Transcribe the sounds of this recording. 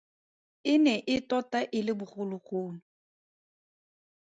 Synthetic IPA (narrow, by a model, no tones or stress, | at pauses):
ɪnɛʔɪtɔtaʔɪlɪbʊχʊlʊχoːnʊ